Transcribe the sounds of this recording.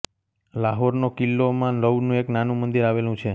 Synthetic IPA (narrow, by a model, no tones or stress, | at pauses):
laɦoɾnokilːomãləwnũeknanũmənd̪iɾaʋelũt͡ʃʰe